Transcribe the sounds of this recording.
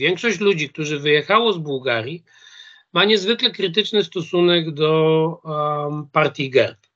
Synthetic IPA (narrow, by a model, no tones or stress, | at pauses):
vʲjɛŋkʂɔɕt͡ɕlud͡ʑik̚t̪uʐɘvɘjɛxawɔzbuwɡaɾʲji | maɲɛzvɘklɛkɾɘt̪̬ɘt͡ʂnɘst̪ɔsunɛɡd̪ɔ | paɾt̪ʲjiɡɛɾp